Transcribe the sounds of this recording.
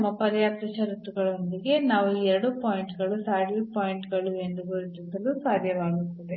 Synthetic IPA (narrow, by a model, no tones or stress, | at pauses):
mːɐpɐɾɐjaːt̪ɐʃɐɾut̪ːuɡɐɭond̪iɡe̞naːʋuɛɾɐɽupoːjiɳʈɡɐɭusaːɽipoːjiɳʈɡɐɭue̞nd̪uɡuɾit͡ʃ̪isɐlusaːd̪ʱjɐʋaːɡut̪ːɐd̪e